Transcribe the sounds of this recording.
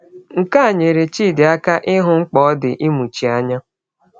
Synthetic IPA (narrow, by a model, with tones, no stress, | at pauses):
ŋ̩˨ka˦a˨ɲe˨ɾe˨t͡ʃiː˦˨dɪ˨a˦ka˦ʔɪ˦ɦʊ˨ŋ͡m̩˦k͡pɔ˨˦ɔ˦dɪ˨ʔi˦mu˨t͡ʃi˨a˦ɲa˦